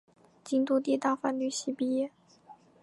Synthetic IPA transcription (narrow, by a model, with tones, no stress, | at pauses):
t͡ɕi˥ŋt̪u˥˧t̪i˥˧t̪a˥˧fa˥nny˥˩ɕi˥pi˥jɛ˥˩